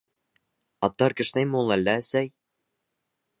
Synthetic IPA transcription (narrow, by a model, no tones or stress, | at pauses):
ɑt̪ːɑɾkɘ̆ʃnæjmulˠælːæsæj